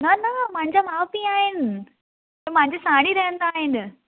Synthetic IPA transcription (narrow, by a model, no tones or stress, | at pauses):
nɐnɐmãɲd͡ʑamaːpiaːɦɪnɪ̆ | t̪ɐm̃ɦãɲd͡ʑesãːɽ̃iɾɐɦə̃nd̪aːɦɪn